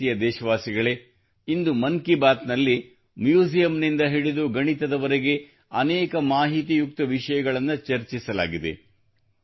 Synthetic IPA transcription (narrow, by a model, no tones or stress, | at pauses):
ijɐd̪ɛːʃɐʋaːsiɡɐɭe | ind̪umɐŋkibaːt̪nɐlːi | mjuːd͡ʒijɐmnind̪ɐɦiɭid̪uɡɐɳit̪ɐd̪ɐʋɐɾeɡe̞ | ɐnɛːkɐmaːɦit̪ijuk̚t̪ɐʋiʂɐjɐɡɐɭɐnːut͡ʃɐɾt͡ʃisɐla̰ːɡid̪e̞̰